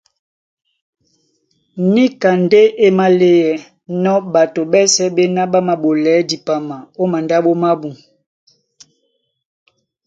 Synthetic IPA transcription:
ni˦ka˨nde˦ʔe˦ma˦le˦jɛ˨ | nɔ˦ba˨to˨ɓɛ˦sɛ˦ɓe˦na˦ɓa˦ma˨ɓo˨lɛ˨˦di˨pa˨ma˨o˦ma˨nda˦ɓo˦ma˦bu˨

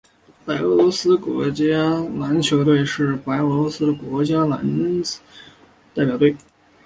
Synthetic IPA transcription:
pa˧˥ɪɤ˧˥lwɔ˧˥sɹ̩˥kwɔ̰˧˥t͡ɕja˥la˧˥nt͡ɕʰjo˧˥ʊt̪we˥˧ɪʂɻ̩˥˩pa˧˥ɪɤ˧˥lwɔ˧˥sɹ̩˥d̪ə˨kwɔ˧˥t͡ɕja˥la̰˧˥n | t̪a˥˩ɪpjɑ˨˩ʊt̪we˥˩ɪ

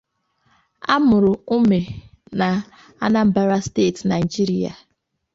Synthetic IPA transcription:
a̰˦mʊ˨ɾʊ˨u˦me˨ | na˨ | a˦na˦m̩˨ba˦ɾa˦steː˦˨tna˨i˨d͡ʒi˦ɾi˦a̰˨

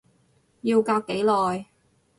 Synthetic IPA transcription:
jiː˧wkaː˧k̚kːe˨˥jlɔː˨j

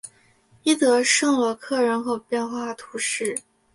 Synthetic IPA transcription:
i˥t̪ɤ˧˥ʂɤ˥˧ŋlwɔ˧˥kʰɤ˥˩ɻə˧˥nxo˨˩ʊpjɛ˥˧nxwa˥˩t̪ʰu˧˥ʂɻ̩˥˩

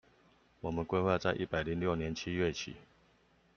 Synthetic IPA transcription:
wɔ˨˩mə˨˦nkwe˥ɪxwa˥˧t͡sa˥˧ɪʔḭ˥˩pa˨˩ɪli˨˦ŋljo˥˨ʊnjɛ˨˦nt͡ɕʰi˦ɥɛ˥˩t͡ɕʰḭ˨˦

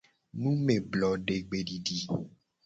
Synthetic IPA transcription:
nũ˦me˨blɔ˨ɖe˨ɡ͡be˨ɖi˨ɖi˨

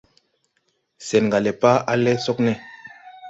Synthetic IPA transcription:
sɛ˨nŋɡa˨lɛ˨pa˦a˦lɛ˦so˦knɛ˦˨

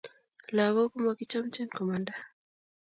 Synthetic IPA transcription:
la˨ɣɔ˦ku˦ma˨ki˦t͡ʃa˦m̩t͡ʃɛ˦nkɔ˨manda

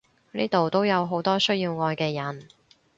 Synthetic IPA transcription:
niː˥t̪o˨wt̪o˥wjɐ˨˧wɦo˨˥wt̪ɔː˥sɵ˥jiː˧wŋɔː˧jkɛː˧jɐ˨˩n

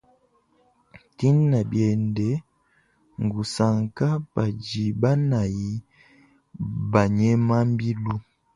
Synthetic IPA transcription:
ti˦nːa˨bjɛ˨ndɛ˨˦ | ŋ˨ɡu˨sa˨ŋka˦pa˨d͡ʒi˨ba˦na˨ji˨˦ | ba˨ɲɛ˦ma˦m˦bi˦lu˦

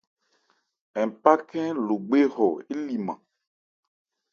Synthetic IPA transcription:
ɛ̃˨m˨pa˦kɛ̃˦lo˨ɡ͡be˦ɦɔ˨e˦li˨mã̰˨

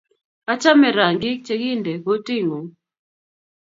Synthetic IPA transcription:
a˦t͡ʃa˦mɛ˨ɾa˨ŋɡɪ˦k̚t͡ʃɛ˦ɡi˦ndɛ˨ɡo˦ti˦ŋo˨ŋ

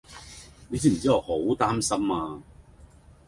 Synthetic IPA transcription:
ne˨˧s̬iː˥m̩˨˩t͡siː˥ɔː˨˧ho˨˥wt̪aː˥msɐ˥maː˧

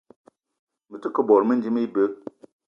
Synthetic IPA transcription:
mə˨tə˦kə˦bɔ˨ɾmə˦n̩˦d͡ʒi˦mi˦i˦bə˦k̚

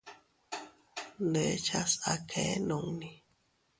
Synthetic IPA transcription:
ne˨˦t͡ʃa˦sa˨kʰe˨˦no˨ŋni˨

